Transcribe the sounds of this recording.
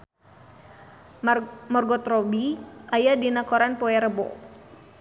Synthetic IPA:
mɔrɡɔt̪rɔbiʔajadinakɔɾanpoɛɾəbo̰

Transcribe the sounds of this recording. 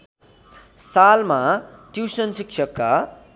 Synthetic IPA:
salmaʈiwsʌnsiksʰʌkːa

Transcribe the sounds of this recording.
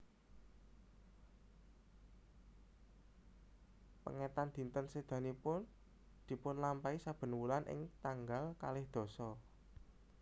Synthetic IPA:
pə̰ŋɛt̪and̪̥i̤nt̪ənsed̪̥a̤nipʊn | d̪̥i̤pʊnlampaisab̥ə̤nwulanʔɪ̰ŋt̪aŋɡalka̰lɪhd̪̥ɔ̤sɔ

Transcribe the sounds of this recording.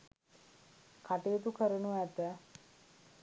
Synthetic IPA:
kʰaʈeːt̪ukəɾənuæt̪ə

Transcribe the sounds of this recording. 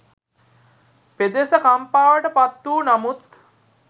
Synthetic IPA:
ped̪esəkampaːʋəʈəpat̪ːuːnamut̪

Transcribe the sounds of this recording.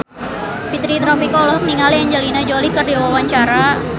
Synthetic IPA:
pit̪ɾit̪ɾɔpikɔlɔk̚niŋaljaɲd͡ʒalinad͡ʒolihkərdawawaɲt͡ʃaɾa

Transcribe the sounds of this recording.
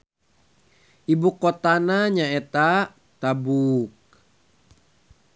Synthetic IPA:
ʔibukot̪anaɲaet̪a | t̪abuk̚

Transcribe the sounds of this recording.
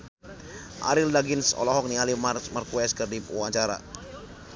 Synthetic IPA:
ʔa̰ɾildaɡɪnsɔ̰lɔɦɔk̚nialimmərkuɛskərdiuaɲt͡ʃaɾa̰

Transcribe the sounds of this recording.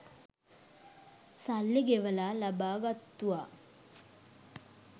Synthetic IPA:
salːiɡeʋəlaːlabaːɡat̪ːuʋa

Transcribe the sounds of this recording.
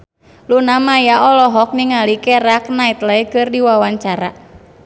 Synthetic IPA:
lunamajaɔlɔɦɔk̚niŋalikɛɾak̚nait̪ləikɨrdiwawaɲt͡ʃaɾa̰

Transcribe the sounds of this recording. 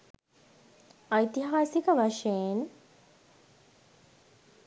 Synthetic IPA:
ajt̪iɦaːsikəʋaʂejen

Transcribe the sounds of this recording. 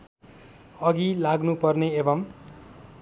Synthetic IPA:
ʌɡilaɡnupʌrneebʌm

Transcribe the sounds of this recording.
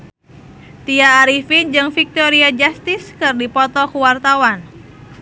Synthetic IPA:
t̪iaːɾifind͡ʒɨŋfik̚t̪ɔɾiad͡ʒast̪ɪskɨrdipɔt̪ɔkuwart̪awan

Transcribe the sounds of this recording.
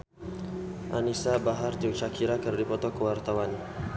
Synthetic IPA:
ʔanisabaɦard͡ʒət͡ʃakʰiɾakərdipɔt̪ɔkəwart̪awan

